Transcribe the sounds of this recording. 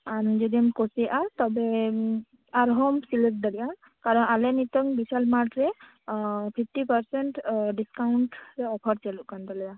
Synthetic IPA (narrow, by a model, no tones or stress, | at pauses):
and͡ʒɔd̪iamkɔsiʔat̪ɔbɛ | aɾɦɔmsilek̚d̪aliʔa | kaɾɔnalɛnit̪ɔŋbisalmaʈɾɛ | pʰip̚ʰʈipaɾsɛɳʈɖiskawɳʈɾɛɔpʰɔɾt͡ʃaluʔkand̪alija